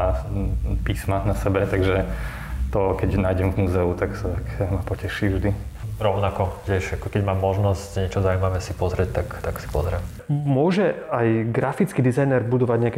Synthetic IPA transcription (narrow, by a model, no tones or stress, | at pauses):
a | piːsmanasɛbɛt̪aɡʒɛ | t̪ɔkɛɟnaːjɟɛmvmuːzɛut̪aksat̪akmapɔcɛʃivʒd̪i | ɾɔʊnakɔcɛʃakɔkɛɟmaːmːɔʒnɔscɲɛt͡ʃɔzaumaʋɛsipɔzɾɛc̚t̪akt̪aksi̥pɔ̰zɾɛm | mʊɔʒɛajɡɾafit͡skid̪izajnɛɾbud̪ɔʋaɟɲɛakɛ